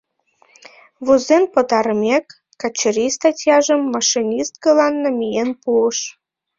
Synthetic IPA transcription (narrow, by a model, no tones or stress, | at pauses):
βuzenpə̆t̪ɑɾəmekː | ɑt͡ɕəɾist̪ɑtʲjɑʒəmːɑʃinʲist̪̚kəlɑnːəmijenpuəʃ